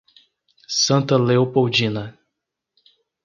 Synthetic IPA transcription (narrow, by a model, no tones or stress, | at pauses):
sɐ̃nt̪ɐleopowd͡ʒĩnɐ